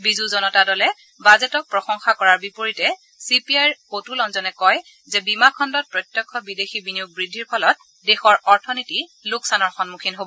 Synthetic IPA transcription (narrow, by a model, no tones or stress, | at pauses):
bizuzɔnɔtadɔlɛ | bazɛtɔk̚pɹɔsɔŋxakɔɹaɹbipoɹitɛ | sipiajɹkotulɔnzɔnɛkɔj | zɛbimakʰɔndɔt̚pɹɔjtjɔkʰːɔbidexibinijuɡ̚bɹidʱːiɹpʰɔlɔt̚ | dexɔɹɔɹtʰɔnitilʊksanɔɹxɔnmukʰinɦobɔ